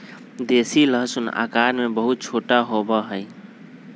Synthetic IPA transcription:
d̪esiləɦsuna̰kaɾmebəɦut̪̚t͡ʃʰoʈaɦobəɦəɪ

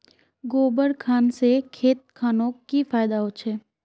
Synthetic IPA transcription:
ɡoːbəɾkʰaːnsekʰeːt̪̚kʰaːnõkifaːjd̪aɦʊt͡ʃʰeː

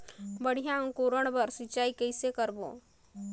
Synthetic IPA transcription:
bəɽ̤ijãə̃ŋkoːɾəɽ̃bəɾsɪt͡ʃaːikəɪsekəɾbo̰

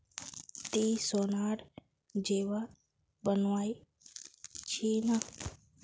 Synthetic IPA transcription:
t̪iːsonaːɽ | d͡ʒeːʋa | bənʋaːi | t͡ʃʰinə

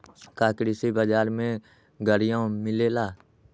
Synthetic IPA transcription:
kaːkɽisebəd͡ʒaːɾmẽ | ɡʱəɾijãmɪleːlaː

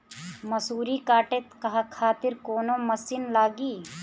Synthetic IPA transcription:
mɐsuːɾikaːʈet̪kɐɦakʰaːt̪ɪɾkoːnomɐsɪnlaːɡiː

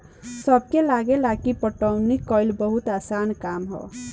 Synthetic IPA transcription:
səb̚kelaɡelakipəʈəmnikːɔjlbəɦut̪asankamɦɔ̰

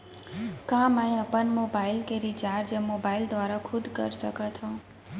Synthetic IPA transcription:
kãmaj̃əpənmobailkeɾit͡ʃaɾd͡ʒəmobaild̪ʋaɾakʰud̪kə̰ɾʃəkat̪ʰɔ̃

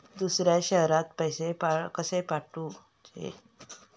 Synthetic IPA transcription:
d̪usɾjaɕəɦɾãt̪pəjsepakəsepaʈũ | t͡ɕḛ

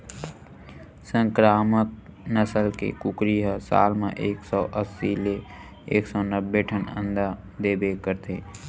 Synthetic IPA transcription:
sə̃ŋkɾaːmək̚nəsəlkḛkʊkɾiɦəsa̰ːlmḛ̃ʔeːksɔːʔəsːile | eːksɔːnəbːeʈʰənə̰̃nd̪a | d̪eːbekəɾt̪ʰeː

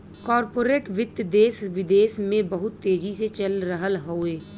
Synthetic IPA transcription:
kɔːɾpoːɾeːʈʋɪd̪jd̪eːsʋɪd̪eːsmẽbəɦʊt̪ːeːd͡ʒiset͡ʃəlɾəɦəlɦoːeː

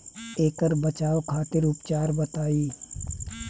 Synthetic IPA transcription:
eːkəɾbət͡ʃaːokʰaːt̪ɪɾʊpt͡ʃaːɾbɐt̪aːiː

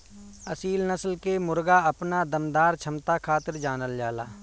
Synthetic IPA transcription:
əsiːlnəslkemʊɾɡaəpnad̪əmd̪aːɾt͡ʃʰəmt̪akʰaːt̪ɪɾd͡ʒaːnəld͡ʒaːla̰ː

